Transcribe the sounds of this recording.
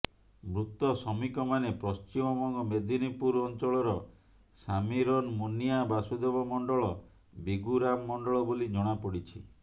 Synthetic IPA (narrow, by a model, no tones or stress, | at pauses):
mɾut̪ɔsɔmikɔmanepɾɔst͡ʃimɔmɔŋɡɔmed̪ʱinipuɾɔnt͡ʃɔɭɔɾɔ | samiɾɔnmonijabasud̪ebɔmɔɳɖɔɭɔ | biɡuɾamːɔɳɖɔɭɔbolid͡ʒɔɽ̃apɔɽit͡ʃʰḭ